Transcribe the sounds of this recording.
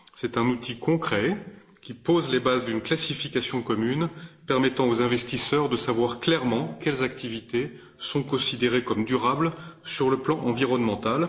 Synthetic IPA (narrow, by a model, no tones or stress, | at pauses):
sɛt̪ɛ̃nut̪ʰikɔ̃kχɛ | kʲipozlebazd̪ynklasifikasjɔ̃kɔmynpɛʁmɛt̪ɑ̃ozɛ̃vɛst̪isœʁd̪əsavwaʁklɛʁmɑ̃kʲɛlzakt̪ivit̪e | sɔ̃kɔ̃sid̪eʁekɔmd̪yʁablsyʁləplɑ̃ʔɑ̃viʁɔnmɑ̃t̪al